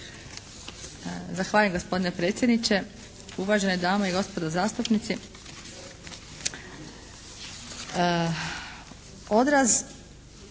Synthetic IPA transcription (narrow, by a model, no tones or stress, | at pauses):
zaxʋaːʎemɡo̞spo̞d̪ine̞pɾe̞ːt̪sʲje̞d̪nit͡ʃe̞ | uʋaʒened̪aːmaiɡo̞spod̪ozaːst̪upnit̪si | od̪ɾaz